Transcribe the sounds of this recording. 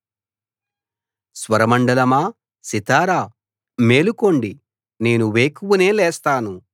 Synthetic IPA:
sʋɐɾɐmɐɳɖɐlɐmaː | sit̪aːɾaː | me̞ːluko̞ɳɖi | ne̞ːnuʋeːkuʋune̞ːlɛːst̪aːnu

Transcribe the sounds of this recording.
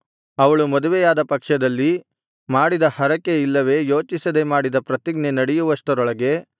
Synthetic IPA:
ɐʋɐɭumɐd̪uʋɛjaːd̪ɐpɐkʂɐd̪ɐlːi | maːɽid̪ɐhɐɾɐkːe̞ilːɐʋe̞ːjo̞ːt͡ʃisɐd̪e̞maːɽid̪ɐpɾɐt̪iɡnenɐɽɛjuʋɐsʈɐɾɔɭɐɡe̞

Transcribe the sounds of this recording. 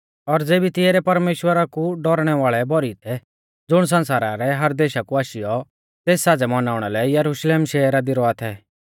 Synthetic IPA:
ɔɾd͡zeːbit̪ɪeɾɛpɐɾmeːʃwəɾakuɖɔɾɽ̃ɛʋaːɭɛbɔɾit̪ʰɛ | d͡zʊɽ̃s̬ɐ̃nsaːɾaɾɛɦɐɾd̪eːʃakuaːʃɪjɔ | t̪eːsːaːd͡zɛmɐnaːʊɽ̃alɛjɐɾuʃleːmʃɛːɾad̪ɪɾɔat̪ʰɛ

